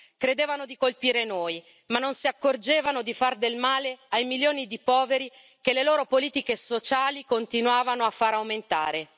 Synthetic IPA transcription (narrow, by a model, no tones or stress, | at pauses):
kɾed̪eːvanod̪ikolpiːɾenoːj | manːonsiakːord͡ʒeːvanod̪ifard̪elmaːleajmiljoːnid̪ipɔːveɾi | keleloːɾopoliːt̪ikesot͡ʃaːlikont̪inwaːvanoafːaɾawment̪a̰ːɾe